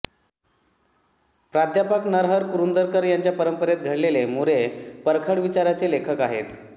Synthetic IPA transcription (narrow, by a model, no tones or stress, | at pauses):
pɾad̪ʱjapəknəɾɦəɾkuɾund̪əɾkəɾjaɲt͡ɕjapəɾəmpəɾet̪ɡʱəɽlelemuɾepəɾkʰəɽʋit͡ɕaɾat͡selekʰəkaɦḛt̪